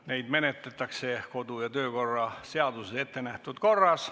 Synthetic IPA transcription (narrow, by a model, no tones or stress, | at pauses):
ne̞jd̪̥me̞net̪ːˑet̪ːˑɑkse̞ko̞d̪ujɑt̪øːko̞rːɑse̞ɑd̪usese̞t̪ːe̞næht̪ud̪̥ko̞rːɑs